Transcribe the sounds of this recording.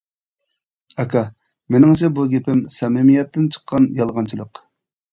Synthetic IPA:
ɑkʰɑ | menɪŋt͡ʃʰɛbuɡʲepɪmsɛmɪmijɛt̪ːɪnt͡ʃʰə̥qʰːɑnjɑlˠʁɑnt͡ʃʰilˠəq

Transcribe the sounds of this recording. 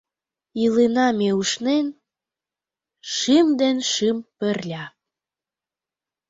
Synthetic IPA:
ilenɑmeuʃnen | ʃimd̪enʃimpərlʲɑ

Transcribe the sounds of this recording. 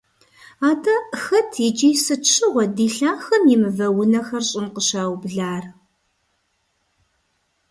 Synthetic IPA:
aːdʰɐxɐtʰɪd͡ʒijsɨt͡ʃʰɨʁʷɔdiːɬaːxɐmjɪmɨvɐwʊnɐxɐrɕʼɪnqəɕaːwbɮaːr

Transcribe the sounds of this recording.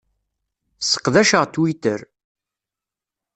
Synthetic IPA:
sə̥qðæʃəʁt̪ːwit̪əɾ

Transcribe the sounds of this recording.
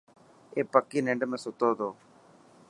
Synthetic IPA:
epːɐkːineɳɖɯmesot̪ːoːd̪oː

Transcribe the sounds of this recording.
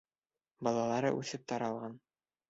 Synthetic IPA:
bɒlˠɑlˠɑɾɤ̰ʔʉθɘp̚t̪ɒɾɑlˠʁɑn

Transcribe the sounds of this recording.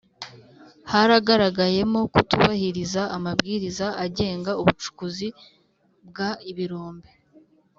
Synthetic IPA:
haɾaɡaɾaɡaje̞mo̞kutuβahiɾizaːmabɡiːɾizaʔaɟe̞ːŋɡauβut͡ʃu̥kuzi | bɡaiβiɾoːmbe

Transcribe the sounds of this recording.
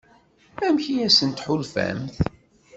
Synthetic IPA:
æmçijæsənt̪ħulfæ̰mθ

